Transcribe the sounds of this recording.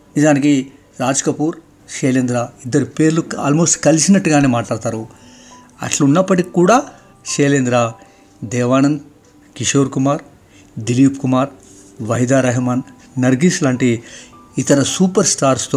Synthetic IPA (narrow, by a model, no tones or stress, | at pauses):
nid͡ʒaːniki | ɾaːd͡ʒɐkɐpuːɾ | ʃeːlend̪ɾaːid̪ːɐɾipe̞ːɾlua̰ːlmo̞ːsʈkɐlisinɐʈːuɡaːne̞ːmaːʈlaːɽt̪aːɾu | ɐ̰ʈlɐunːɐpːɐʈikikuːɽaː | ʃeːleːnd̪ɾaː | d̪ɛːʋaːnɐn | kiʂoːɾkumaːɾ | d̪iliːpkumaːɾ | ʋɐjd̪aːɾɐɦɐmaːnː | ɐɾɡislaːɳʈiit̪ɐɾɐsuːpɐɾsʈaːɾst̪o